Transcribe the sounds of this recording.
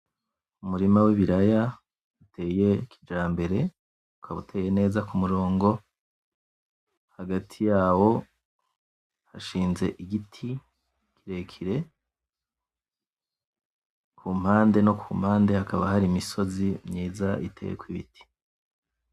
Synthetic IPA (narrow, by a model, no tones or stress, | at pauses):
umuɾimawiβiɾaja | ute̞ːje̞kid͡ʒaːmbe̞ɾe̞ | ukʰaβutʰe̞ːje̞ne̞ːzakumuɾo̞ːŋɡo̞ | haɡatʰijaːwo̞ | haʃiːnze̞ʔiɡitʰi | kʰiɾe̞kʰiɾe̞ | kʰuːm̥haːnde̞nokʰum̥haːnde̞hakaβa̰haɾimiso̞zimɲiːzaʔḭtʰe̞̰jḛkwiβḭti̥